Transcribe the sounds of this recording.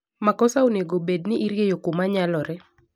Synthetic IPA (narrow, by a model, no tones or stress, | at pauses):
makɔsaoneɡobednɪʔiɾjejokomaɲalɔɾɛ